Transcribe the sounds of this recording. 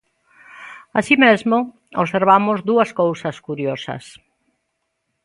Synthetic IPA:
asimezmʊ | oβseɾβamʊzd̪uɐskowsɐskuɾjosɐ̰s

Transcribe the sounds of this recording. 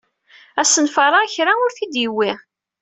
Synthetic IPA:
æsənfɑɾˤɑçɾaʊɾθid̪jiwːiʁ

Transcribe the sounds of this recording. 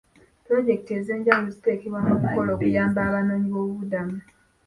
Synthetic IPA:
pɾo̞ɟe̞k̚te̞ːze̞ːɲɟaβulozite̞ːkeβwaŋokuko̞loːkujaːmbaːβanoːɲiβo̞ːβuβudama

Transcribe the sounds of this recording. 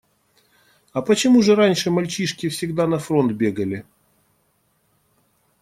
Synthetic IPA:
ɐpət͡ɕɪmuʐɨɾanʲʂɨmɐlʲt͡ɕiʂkʲɪfsʲɪɡd̪anɐfɾont̪̚bʲeɡəlʲɪ

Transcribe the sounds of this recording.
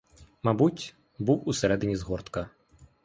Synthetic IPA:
mabut͡sʲ | buwusʲɛɾɛd̪ɨnʲizɣɔrt̪kɐ

